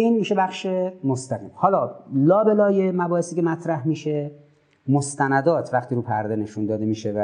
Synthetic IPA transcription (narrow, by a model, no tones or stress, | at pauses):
iːnmiːʃebæχʃe̞most̪æɣḭːmhɒːlɒːlɒːbe̞lɒːjemæbɒːhesiːcʰe̞mæt̪ʰɾæhmiːʃe̞ | most̪ænæd̪ɒːt̪ʰvæχt̪iːɾuːpʰæɾd̪ene̞ʃund̪ɒːd̪e̞miːʃevæ